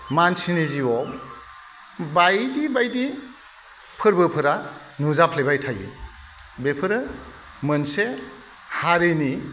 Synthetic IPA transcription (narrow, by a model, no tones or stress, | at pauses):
mansiniziɔ | bajdibajdi | pʰɯɾbɯpʰɯɾa | nuzapʰlebajtʰajḭ | bepʰɯɾɯ | mɯnse | haɾini